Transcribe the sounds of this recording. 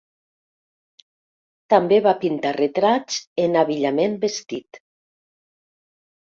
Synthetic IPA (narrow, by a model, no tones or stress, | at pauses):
t̪ambeβapint̪aret̪ɾat͡ʃt͡senaβiʎamenbest̪it̪